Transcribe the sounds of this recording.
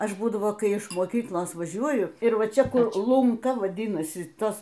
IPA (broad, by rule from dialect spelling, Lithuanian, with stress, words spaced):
ˈɐʃ ˈbuːdɐʋoː ˈkɐɪ ɪʃ moːˈkʲiːklˠoːs ʋɐˈʒʲuɔjʊ ɪr ˈʋɐ ˈt͡ʃʲɛ ˈkʊr lˠʊŋˈkɐ ʋɐˈdʲɪnɐsʲɪ ˈtɐs